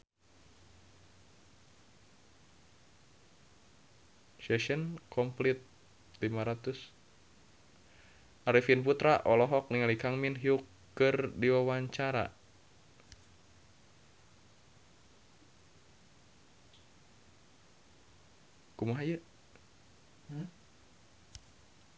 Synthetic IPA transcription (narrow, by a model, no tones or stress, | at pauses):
sɛʃənkʰɔmplit̪̚ | limaɾat̪us | ʔaɾifinput̪ɾaʔɔlɔɦɔk̚niŋalikaŋminɦiukː | ɨrdiwawaɲt͡ʃaɾa̰ | kumaɦajə